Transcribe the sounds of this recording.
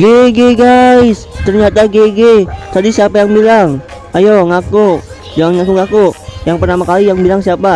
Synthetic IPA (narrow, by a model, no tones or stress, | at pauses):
ɡeɡeɡajst̪ərɲat̪aɡeɡet̪adisiapajaŋbilaŋ | ajoŋaku | d͡ʒuaŋŋakuŋakujaŋpərt̪amakalijaŋbilaŋsiapa